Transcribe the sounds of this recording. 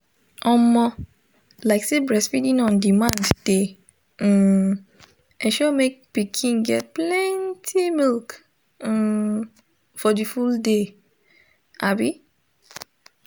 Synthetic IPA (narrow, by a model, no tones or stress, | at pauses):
ɔmɔ̃ | laɪksebɹɛsfidĩnɔ̃ndimãndd̥e | ɛ̃ʃɔmek̚pikʰĩnɡɛt̚plɛ̃ntʰimilk̩ | fɔdifulde | ʔabi